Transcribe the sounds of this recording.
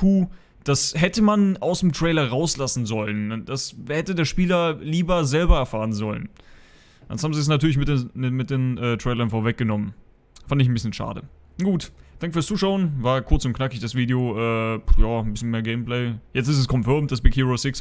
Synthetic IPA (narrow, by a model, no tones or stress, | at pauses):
kʰuː | d̥ashɛtəmanaʊsd̥emtʁ̥eɪlɐʁaʊslasn̩zɔlənd̥ashɛtədeːɐʃpiːlɐliːbɐzɛlbɐɛɐfaːʁənzɔlə̰n | ʔa̰nshaːm̩ziɛs̬natʰyɐlɪçmɪtemɪt̚d̥eːnʔɛːtʁ̥eɪlɐnfoːɐvɛk̚ɡ̥ənɔmən | fandəɪçn̩bɪsçənʃa̰ːdə̰ | ɡ̥uːtd̥aŋkəfyːɐst͡suːʃaʊənvaːɐkʰʊɐt͡sʊntknakɪçd̥asv̥iːdeoʔɛːjaːn̩bɪsçənmeːɐɡɛɪmpl̥ɛɪjɛt͡stɪsɛskʰɔmfœɐmt̚d̥asb̥ɪkʰhiːʁosɪks